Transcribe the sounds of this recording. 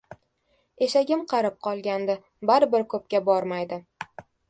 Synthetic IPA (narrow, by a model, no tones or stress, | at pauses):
e̞ʃaɡʲɪmqʰɑɾɪp̚qʰɒlˠɡʲand̪ɪ | baɾɪbɪɾkʰɵp̚kʲabɒɾmajd̪ɪ